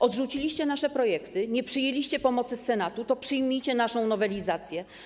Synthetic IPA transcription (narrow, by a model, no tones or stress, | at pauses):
ʔɔd̪ʐut͡ɕilʲiɕt͡ɕɛnaʂɛpɾɔjɛkt̪ɘɲɛpʂɘjelʲiɕt͡ɕɛpɔmɔt̪sɘsɛnat̪ut̪ɔpʂɘjmʲijt͡ɕɛnaʂɔ̃w̃nɔvɛlʲizat̪sʲjɛ